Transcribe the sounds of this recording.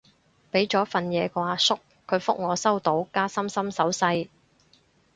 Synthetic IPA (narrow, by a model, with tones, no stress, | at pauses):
pe˨˥jt͡ʃɔː˨˥fɐ˨njɛː˨˧kʷaː˧sʊ˥k | kʰːɵ˨˧ɥfʊ˥k̚ŋɔː˨˧sɐ˥wt̪o˨˥wkaː˥sɐ˥msɐ˥msɐ˨˥wsɐ˧j